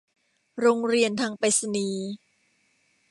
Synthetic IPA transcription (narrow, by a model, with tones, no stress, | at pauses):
ɾoː˧ŋɾi˧ənt̪ʰaː˧ŋpe˧˥sa˧niː˨˧˦